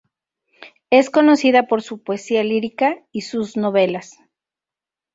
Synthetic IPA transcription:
e̞sko̞no̞siðapo̞ɾsupoesialiɾikaisuzno̞βe̞las

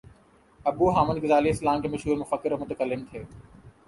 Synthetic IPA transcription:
ɐbuːɦaːmənɡɪzaːliːɪslãːmkemɐʃuːɾmʊfəkːɪɾmʊt̪əkəlːɪnt̪ʰeː

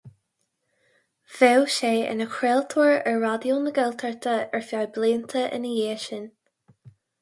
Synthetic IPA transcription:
v̥ɛwʃeːʔɪ̰nəkʰɹɛːlt̪ʰuɹɛɹːadjuːnəɡɛltʰəɹt̪ʰəɛɹfjajbleːnt̪ʰəʔɪ̰nəjeːʃən

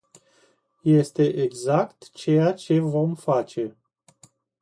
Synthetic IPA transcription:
jest̪e̞ʔeɡzakt̪t͡ʃe̞jat͡ʃe̞vo̞mfat͡ʃe̞

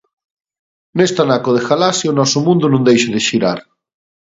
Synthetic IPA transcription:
nest̪anakoðexalasjonɔsʊmũnd̪unũŋd̪ejʃeðeʃiɾa̰ɾ

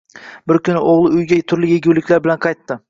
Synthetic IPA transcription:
bɪɾkʲʰʊnɪʔoʁlˠɪʊjɡʲat̪ʰʊɾlɪjeɡʲuwlɪkʲlaɾbɪlanqʰɑjt̪ːɪ

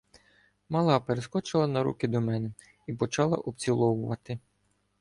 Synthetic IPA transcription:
mɐlˠɑpeɾeskɔt͡ʃɪlˠɐnɐɾṵkɪd̪ɔmɛnɛ | ipɔt͡ʃɑlˠɐ̰ʔɔp̪t͡sʲilˠɔwʊʋɐt̪ɪ

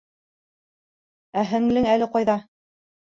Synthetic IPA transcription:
æɦɘ̆ŋlɘŋælɘ̆qɑjðɑ

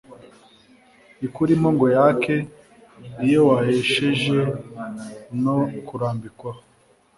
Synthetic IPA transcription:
ikuɾimoŋɡojakʰe | ɾijowaheʃeʒe | nokuɾaːmbikwa

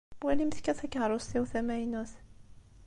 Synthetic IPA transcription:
wælimθkæθækɦɾˤosiwθæmæjnuθ

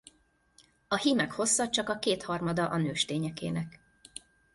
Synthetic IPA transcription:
ɒhiːmɛkho̞sːɒt͡ʃɒkɒkeːt̪hɒrmɒd̪ɒʔɒnøːʃt̪eːɲɛkḛːnɛk

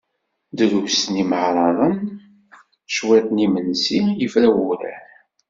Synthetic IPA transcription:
d̪ɾuwsniməʕɾˤɑðˤən | ʃwæt̪nimənsijəfɾæwuɾæ̰n

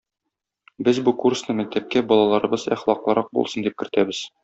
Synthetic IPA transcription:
bɘzbukursnɤmæk̚t̪æp̚kæbɒlˠɑlˠɑɾɤ̆bɤzæ̰χlˠɑqlˠɤ̆ɾɑq̚bṵlˠsɤnd̪ip̚kɘ̆ɾt̪æbɘz̥

